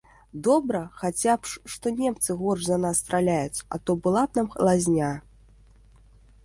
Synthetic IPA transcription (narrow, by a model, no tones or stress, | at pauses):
d̪ɔbɾɐxat͡sʲapʂʂt̪ɔnʲɛmt̪sɨɣɔrʂzɐnasːt̪ɾalʲajut͡sʲa̰t̪ɔbɨlˠap̚namxlˠazʲnʲa